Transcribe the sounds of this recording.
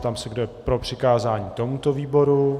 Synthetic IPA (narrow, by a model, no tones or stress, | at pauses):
t̪amsɛɡdojɛpɾopr̝̥ɪkaːzaːɲiːt̪o̞mut̪o̞viːbo̞ɾu